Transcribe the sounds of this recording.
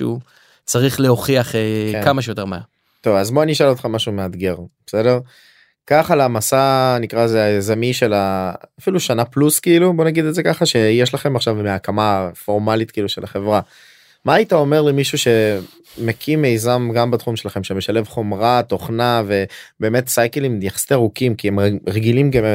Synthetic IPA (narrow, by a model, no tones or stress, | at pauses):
u | t͡saʁiχlehoχiaχekamaʃejoteʁmaa | t̪ovazmoaniʃelot̪χamaʃumead̪ɡe̞ʁbesedeʁ | kaχalamasanikʁaezeazamiʃe̞laːfiluʃanapluskiilubo̞naɡid̪eze̞kaχaʃe̞jeʃlaχe̞maχʃavmeakamafo̞ʁmalit̪̚kiiːluʃelaχe̞vʁa | maːit̪ao̞me̞ʁlemiʃuʃe̞ | mekʰimːejzamɡambat̪χumʃelaχe̞mʃemeʃale̞vχo̞mʁat̪o̞χnave̞be̞ːme̞t̪sajkelimjaχsitaʁukimkiemʁeɡilimɡe